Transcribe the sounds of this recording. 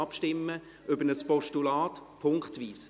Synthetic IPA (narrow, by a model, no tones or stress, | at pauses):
ɑpʃtɪmːə | ʔʏbənəspɔʃtulaːtpʰʊŋkχtʋiːs